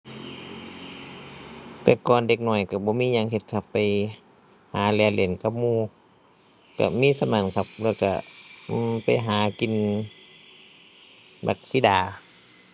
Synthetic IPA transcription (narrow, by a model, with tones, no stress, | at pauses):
t̪ɛː˧˦kɔː˨nde˧˩k̚nɔː˧˩jka˧˩bɔː˧˦miː˧˥˨ɲa˧˨ŋhe˧t̪̚kʰa˧˩pːa˨j | haː˨˦lɛː˧˦wle˨˦nka˧˦p̚muː˧˨ | ka̰˧˩miː˧˥˨sa˧maː˨˧˦nkʰa˧˩p̚lɛː˧˩wka̰˧˩˧ | pa˨jɦaː˨˦ki˨n | ba̰˧˩k̚siː˧˥˨daː˨˩